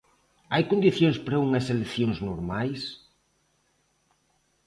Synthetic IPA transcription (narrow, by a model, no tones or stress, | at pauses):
ajkond̪iθjõŋspɾɐuŋɐseleθjoŋznoɾmajs